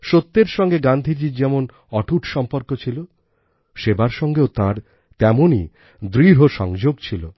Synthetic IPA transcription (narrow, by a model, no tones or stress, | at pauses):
ʃot̪ːeɾʃɔŋɡeɡand̪ʱid͡ʑid͡ʑɛmon | ɔʈʰuʈʃɔmpoɾkot͡ɕʰilo | ʃebaɾʃɔŋɡeot̪ãɾ | t̪ɛmoni | d̪ɾiɾɦoʃɔ̰ŋd͡ʑoɡt͡ɕʰilo